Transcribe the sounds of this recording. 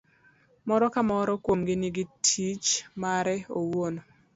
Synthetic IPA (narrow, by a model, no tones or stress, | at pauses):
mɔɾɔkamɔɾɔkwomɡɪnɪɡɪtʰit͡ʃmaɾɛowono